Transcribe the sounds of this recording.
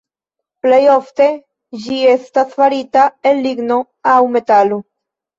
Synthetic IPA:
plejofte̞ | d͡ʒiestasfaɾit̪aelːiɡno | awme̞t̪alo

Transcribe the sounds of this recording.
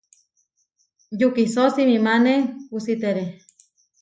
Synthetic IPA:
jukisosimimanekusit̪eɾe

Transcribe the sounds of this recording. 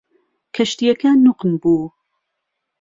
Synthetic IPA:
kʰɐʃt̪ijɐkʰɐnuqnbuː

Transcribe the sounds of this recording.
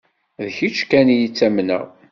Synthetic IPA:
ðçit͡ʃːkænjit͡sːæmnə̰ʁ

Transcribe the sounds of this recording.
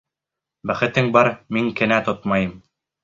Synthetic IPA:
bæχɘ̆t̪ɘŋbɑɾmiŋkɘ̆næt̪ot̪mɑjɤm

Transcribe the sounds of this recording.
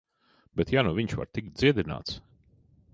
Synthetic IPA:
bɛt̪jaːnuviɲʃva̰ɾt̪ik̚t̪̚d̪ziɛd̪ina̰ːt̪s

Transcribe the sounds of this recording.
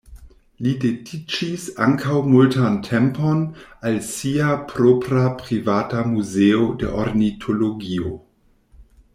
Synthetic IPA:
lidedit͡ʃisa̰ŋkʰawmultantʰemponalsiapʰɾopɾapɾivatamuzeodḛʔoɾnitʰoloɡio

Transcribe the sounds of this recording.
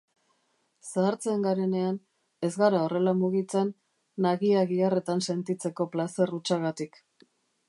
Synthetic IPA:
saːɾt͡seŋɡaɾe̞ne̞an | e̞zɣaɾao̞re̞lamuɣ̞it͡se̞nː | aɣiaɣiare̞t̪anse̞nt̪it͡se̞ko̞plase̞rut͡ʃaɣat̪ik

